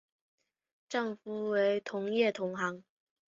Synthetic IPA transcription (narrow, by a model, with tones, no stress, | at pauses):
ʈ͡ʂɑ˥˩ŋfu˧˥we˧˥ɪt̪ʰʊ˧˥ŋjɛ˥˩t̪ʰʊ˧˥ŋxɑ˧˥ŋ